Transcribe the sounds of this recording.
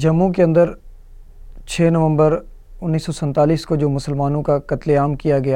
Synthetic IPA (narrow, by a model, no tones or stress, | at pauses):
d͡ʒɐmːũk̬eɐ̃nd̪əɾ | t͡ʃʰeːnɐʋə̃mbəɾ | ʊnːiːsːɔsɛ̃nt̪aːliːskod͡ʒoːmʊsəlmaːnõkakɐt̪leaːmkijaɡɐja